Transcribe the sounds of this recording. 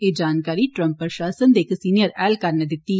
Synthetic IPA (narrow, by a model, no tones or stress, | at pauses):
eːd͡ʒaːnkaːɾiʈɾə̃mpːɾʃaːsənd̪eːksiːnijəɾɛːlkɐɾned̪ɪt̪ːi